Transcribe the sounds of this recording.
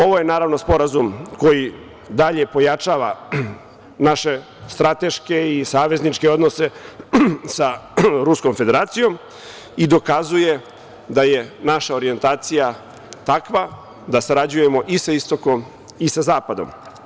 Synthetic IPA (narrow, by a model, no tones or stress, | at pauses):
o̞ʋo̞je̞naːɾaʋno̞spo̞ɾazumko̞ji | d̪aʎe̞po̞jat͡ʃaːʋa | naʃe̞ | st̪ɾat̪e̞ʃke̞isaːʋe̞znit͡ʃke̞o̞d̪nose̞ | saɾusko̞mfe̞d̪e̞ɾaːt̪sijo̞m | id̪o̞kazuje̞ | d̪aje̞naʃaoɾie̞nt̪aːt̪sija | t̪akʋa | d̪asaɾad͡ʑuje̞mo̞ʔisaist̪o̞kom | isazaːpad̪o̞̰m